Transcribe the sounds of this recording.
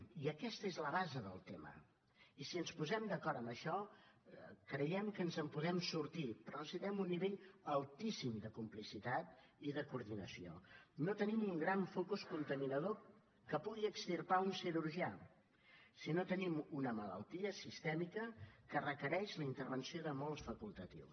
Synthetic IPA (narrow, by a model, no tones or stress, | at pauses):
iəkɛst̪əezləβazəðə̰lˠt̪emə̰ | isiənspuzɛmd̪əkɔɾəmbəʃɔ | kɾəjɛmkənzəmpuðɛmsuɾt̪ipɾɔsiðɾɛmunːiβeʎəlˠt̪isimd̪əkumplisit̪at̪ | iðəkuɾðinəsio̰not̪ənimuŋɡɾaɱfokuskunt̪əminəðo | kəpuɣiəkst̪irpaunsiɾuɾʒia | sinot̪ənimunəmələ̰lˠt̪iəsist̪ɛmikəkərəkəɾɛʃləint̪əɾβənsioðəmolˠsfəkulˠt̪ət̪ḭws